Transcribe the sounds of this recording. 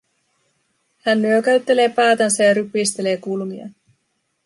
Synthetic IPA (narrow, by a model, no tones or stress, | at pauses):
hænːyøkæɥt̪ːe̞le̞ːpæːt̪ɑnsɑjɑɾypːist̪e̞le̞ːkulmiɑ̰